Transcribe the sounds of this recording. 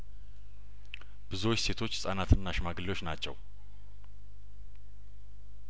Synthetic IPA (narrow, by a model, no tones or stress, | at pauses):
b̥ɨzuot͡ʃːse̞t̪ʰo̞t͡ʃːsʼanat̪ʰɨnːaʃmaɡɨlio̞t͡ʃːnat͡ʃːɛ̰w